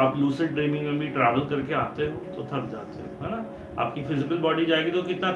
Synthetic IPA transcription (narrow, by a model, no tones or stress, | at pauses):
aːpluːsəɖɖɾiːmɪ̃ŋmẽbʱiʈɾɛːʋəlkɐɾkeaːt̪eɦõt̪ot̪ʰɐk̚d͡ʒa̰ːt̪ḛɦõ̰ɦɛːna | a̰ːp̚kifʰɪzɪkəlbɔːɖid͡ʒaːeːɡit̪okɪt̪na